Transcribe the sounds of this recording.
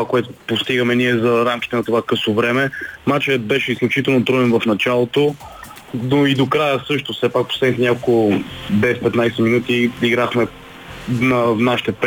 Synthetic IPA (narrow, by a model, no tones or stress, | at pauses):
akoɛt̪opost̪iɡəmɛniɛzɐɾamkʲi̥t̪ɛnɐt̪ovakɤsovɾɛmɛmat͡ʃɛət̪̚bɛʃɛisklʲʊt͡ʃit̪ɛlˠnot̪ɾɔɛnvɐfnɐt͡ʃalˠot̪o | noid̪okɾajəsɤʃt̪osɛpak̚pɾo̥sɛd̪nʲit̪ɛnʲakolˠʊb̪ɛfpɛt̪najsɛminut̪iiɡɾaxmɛ | nɐnaʃi̥t̪ɛp